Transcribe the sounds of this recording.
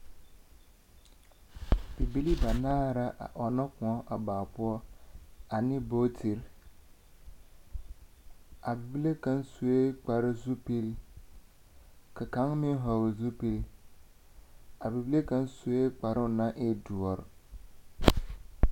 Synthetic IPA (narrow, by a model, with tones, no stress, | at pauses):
bi˨bi˦li˦ba˨naː˦˨ɾa˦ʔʔɔ˨nɔ˦kʊ̃˨ɔ˦ʔa˨baː˨pʊ˦ɔ˦ | a˨nɪ˦bo˦tʰi˨ɾ | a˨bi˨bi˦le˦ka˦nsu˨˦e˦k͡pa˨ɾɪ˦zu˦pe˦ɾi˦ | ka˨ka˨˦ŋmɪ˦n˦ɦɔ˨wzu˦pe˨l | a˨bi˨bi˦le˦ka˦nsu˨˦e˦k͡pa˨ɾɪ˦˨na˦ʔe˦du˨ɔ˨ɾ